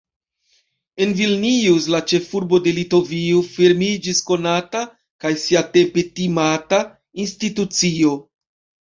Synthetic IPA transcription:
e̞nvilniuz̬lat͡ʃe̞fuɾbo̞de̞lito̞viofeɾmid͡ʒisko̞nata | kajsiate̞pe̞timata | institut͡sio̞

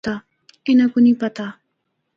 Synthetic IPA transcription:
t̪a | ɪnakʊnipat̪a

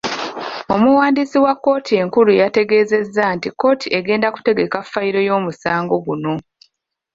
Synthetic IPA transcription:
o̞muwaːndisiwakːo̞ːtʰie̞ŋkulujate̞ɡe̞ːze̞zːantikːo̞ːtʰiʔeɡe̞ːndaku̥te̞ɡe̞kafːajiɾo̞jo̞ːmusaːŋɡo̞ɡuno̞

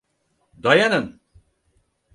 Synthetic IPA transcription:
d̪ɔjanən

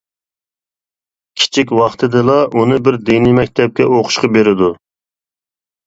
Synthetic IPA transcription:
kʲʰi̥t͡ʃʰikʲwɑχt̪ʰɨd̪ɨlˠɑʔunɨbɪɾd̪inimɛk̚ʲt̪ʰɛp̚kʲɛoqʰʊ̥ʃqɑbeɾɪd̪u

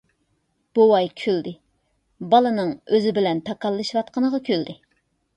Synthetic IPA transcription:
b̥owɑjkʲʰøld̪ɪ | bɑlˠɨnɨŋøzɪbɪlɛnt̪ʰɑkɑlˠːɨʃwɑt̪̚qənəʁɑkʲʰøld̪ɪ

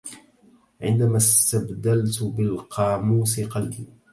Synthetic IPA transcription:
ʕɪ̰nd̪amast̪abd̪alt̪bɪlqʰɑːmuːsɪqɑlbiː

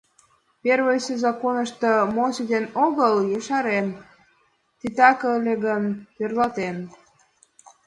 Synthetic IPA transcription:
perβəjsezɑkonəʃt̪ɤ̆mosid̪enoɣəljəʃɑɾen | t̪it̪ɑkəəlʲeɣənt̪erlɑt̪en

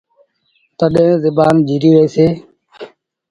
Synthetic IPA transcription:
t̪əɗẽːzɪbaːnd͡ʒiːɾiːʋeːseː

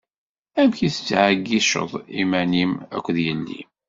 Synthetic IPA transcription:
æmçiθət͡sːʕəɡːiʃə̰ðˤḭmænimæ̰kʷːðjənːḭm

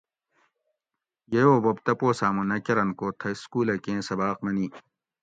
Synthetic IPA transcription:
jejoːbobt̪ɐpoːsaːmunɐkɐɾɐnkoːt̪ʰɐskuːlɐkẽːsɐbaːq̚mɐniː

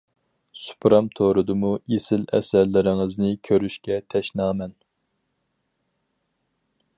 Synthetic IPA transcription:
su̥pʰɾɑmt̪ʰoɾɨd̪ɨmuesɪlɛ̰sæɾlɪɾɪŋɨznɪkʲʰøɾyʃkʲɛt̪ʰɛʃnɑːmɛn

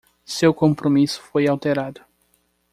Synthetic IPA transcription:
sewkõmpɾomisʊ̥fojawt̪eɾad̪ʊ

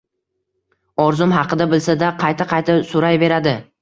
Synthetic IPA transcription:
ɒɾzʊmɦɑqɨd̪abɪlsad̪aqʰɑjt̪ʰaqʰɑjt̪ʰasʊɾajve̞ɾad̪ɪ

